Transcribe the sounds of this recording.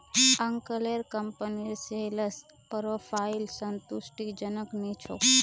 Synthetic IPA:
ɐŋkəleɾkəmpəniɾseləs | pɾopʰailsənt̪usʈid͡ʒənəknit͡ʃʰo̰

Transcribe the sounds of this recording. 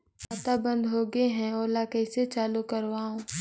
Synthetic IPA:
aːt̪abə̃nd̪ɦoːɡeɦɛ̃oːlakɛɪset͡ʃaːlukɐɾʋaːõː

